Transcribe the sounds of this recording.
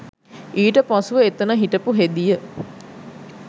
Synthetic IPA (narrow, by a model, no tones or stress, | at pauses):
iːʈəpɔsuʋəet̪ənəɦiʈəpuɦed̪ijə